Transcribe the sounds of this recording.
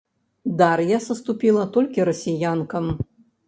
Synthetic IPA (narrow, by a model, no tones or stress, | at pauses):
d̪aɾjasɐst̪upʲilˠɐt̪ɔlʲkʲiɾɐsʲijankɐm